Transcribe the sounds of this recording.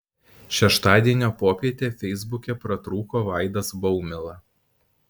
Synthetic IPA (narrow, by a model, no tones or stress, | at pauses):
ʃʲɛʃt̪ɑːd̪ʲiɛnʲoːpoːpʲiɛt̪ʲeːfʲɛɪzbʊkʲɛpɾɐt̪ɾuːkoːʋɑˑɪd̪ɐsbɔʊmʲɪlˠɐ